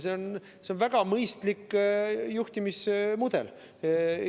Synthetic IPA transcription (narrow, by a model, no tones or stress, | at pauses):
seon | seonvæɡ̥ɑmɤjst̪likːjuht̪imismud̪̥e̞̰l